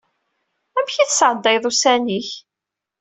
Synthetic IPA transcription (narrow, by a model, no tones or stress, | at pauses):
æmçiθəsʕəd̪ˤːɑjðˤusæniç